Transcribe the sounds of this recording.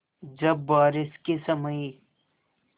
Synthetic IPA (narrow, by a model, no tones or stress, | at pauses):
d͡ʒɐbːaːɾɪskisɐməji